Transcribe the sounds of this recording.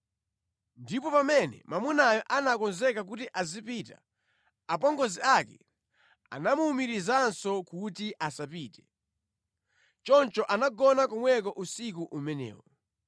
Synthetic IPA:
ndipɔpamɛnɛ̰mamunajɔʔanakɔnzɛkak̬utiʔazipita | apɔŋɡɔziakɛ | a̰namuːmiɾizansɔkutiʔasapiːtɛ̥ | t͡ʃɔnt͡ʃɔʔanaɡɔnakɔmwɛk̬ɔʔusik̬uʔumɛnɛ̰ːwɔ

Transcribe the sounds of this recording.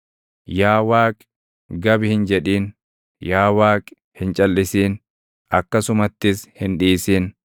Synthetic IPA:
jaːwaːkʼ | ɡɐbɪhɪnd͡ʒɛᶑiːn | jaːwaːkʼ | hɪnt͡ʃʼɐlːɪsiːn | ʔɐkːɐsʊmɐt̪ːɪshɪnᶑiːsiːn

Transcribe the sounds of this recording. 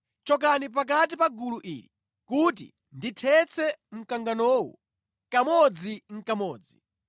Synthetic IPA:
t͡ʃɔk̬anip̬ak̬atipaɡuluʔḭːɾḭ | kut̬ḭ | nditʰɛt͡sʰɛm̩kaŋɡanɔːwṵ | kamɔd͡ziŋ̩kamɔːd͡zi

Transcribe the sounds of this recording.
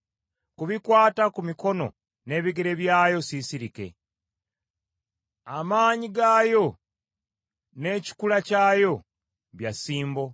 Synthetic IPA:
kuβikwaːtakumiko̞no̞̰ | ne̞ːβiɡe̞ɾe̞βjaːjo̞sisiɾike̞̰ | amaːɲiɡaːjo̞ | ne̞ːci̥kulacaːjo̞ | βjasiːmbo̞

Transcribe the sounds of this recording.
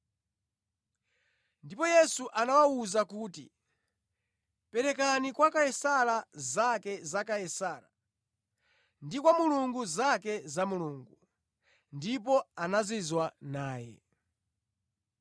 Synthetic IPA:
ndipɔjɛsuʔanawauzakuːtḭ | pɛɾɛkanikwakajɛsalazakɛzakajɛsaːɾa̰ | ndikwamuluŋɡuzakɛzamuluːŋɡu | ndip̬ɔanazizwanaːjɛ̰

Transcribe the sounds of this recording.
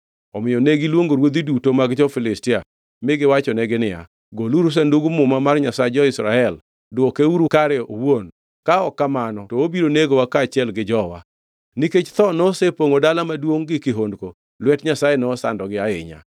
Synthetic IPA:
ɔmɪɔneɡilwoŋɡoɾwod̪idutomaɡt͡ʃɔfɪlɪstɪa | mɪɡɪwat͡ʃɔnɛɡɪnɪa̰ | ɡoluɾus̬ɛnduɡumʊmamarɲasaed͡ʒɔɪsɾaɛl | dɔkeuɾukaɾɛowon | kaɔkːamanɔtɔobiɾoneɡowakaːt͡ʃɪɛlɡɪd͡ʒɔwa̰ | niket͡ʃt̪ɔnɔsepoŋodalamadwoŋɡɪkɪɦondko | lwɛtɲasajenɛɔsa̰ndɔɡɪaɪ̰ɲa̰

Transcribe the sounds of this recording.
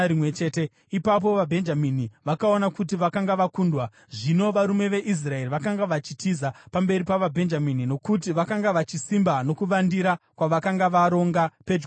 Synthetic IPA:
imwet͡ʃeːte | ipap̬o̞ʋabʱe̞nd͡ʒaminiʋakao̞nakut̬iʋakaŋɡaʋakuːndwa | ʐino̞ʋaɾume̞ʋe̞ʔis̬rae̞riʋakaŋɡaʋat͡ʃitizapambe̞ɾipaʋabʱe̞nd͡ʒaminino̞kut̬iʋakaŋɡaʋat͡ʃisimbano̞kuʋandiɾakwaʋakaŋɡaʋaɾo̞ŋɡape̞d͡ʒ

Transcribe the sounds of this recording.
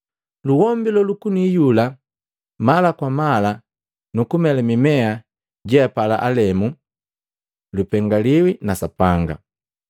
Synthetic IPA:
luwɔmbilɔlukunijula | malakwamala | nukumɛlamimɛa | ɟɛapala̰ʔalɛmu | lupɛŋɡaliwinasapaŋɡa̰

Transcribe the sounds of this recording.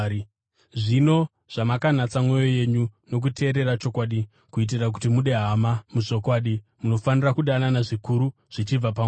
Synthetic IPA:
ʐino̞ | ʐ̥amakanat͡samwe̞jo̞je̞ɲuno̞k̬utʰe̞ːɾe̞ɾat͡ʃo̞kwaːɗi | kuit̬irak̬utimuɗe̞ɦamamuʐo̞kwaːɗimuno̞fanirakuɗananaʐikuɾu | ʐ̥it͡ʃib͡vapa

